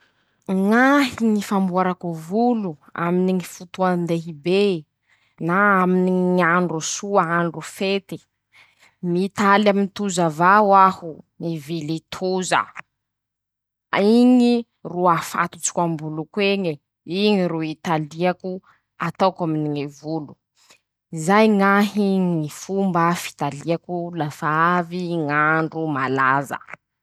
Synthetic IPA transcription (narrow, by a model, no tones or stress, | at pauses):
ŋaɦiŋifambuaɾakuvulua̰miniŋifut̪uand̪eɦibe | naaminiŋiaɳɖ͡ʐusuaaɳɖ͡ʐufet̪i | mit̪alamint̪uzavawahunivilit̪ʰuzə̰ | iŋi | ruafa̰t̪ut͡si̥kambulukweŋi | iŋiɾuit̪aliaku | at̪awkaminiŋevulu | izajŋaɦiŋifumbafi̥t̪aliakulafaaviŋaɳɖ͡ʐumalazə̰